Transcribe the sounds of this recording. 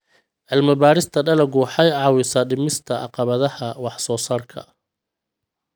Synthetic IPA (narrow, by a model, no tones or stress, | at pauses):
ʔɪlmɐbaːɾɪst̪ʰɐɖɐlɐɡʊħɑjʕɑwɪsaːɖɪmɪst̪ʰɐʔɑ̰qɑβɐðɐhɐwɑħsɔːsaːrkʰɐ̰